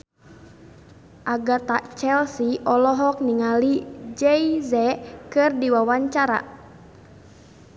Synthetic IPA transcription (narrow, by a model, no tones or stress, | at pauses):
ʔaɡart̪at͡ʃɛlsiʔɔlɔɦɔk̚niŋalid͡ʒɛizɛkɨrdiwawaɲt͡ʃaɾa̰